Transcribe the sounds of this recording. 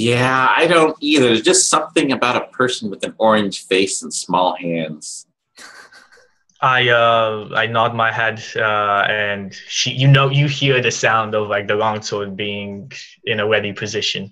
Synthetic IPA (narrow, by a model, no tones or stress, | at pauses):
jæa̰ɪɾõʊ̃ntiðə˞zd͡ʒʌstsʌ̃mθɪ̃ŋɨbaʊɾəpʰɜ˞sn̩wɨðɨ̃nɔɹɨ̃nʒ̥feɪsn̩smɔlˠhæ̃ndz̥ | ʔaɪʌa̰ɪnɑd̚maɪhɛdʌɨ̃nʃijɨnoʊjɨhiɹðɨsãʊ̃ndʌvlaɪk̚ðɨɹɔ̃ŋsʰɔd̚biɪ̃ŋ | ɨ̃nəwɛɾipʰɨzɪʃɨ̃n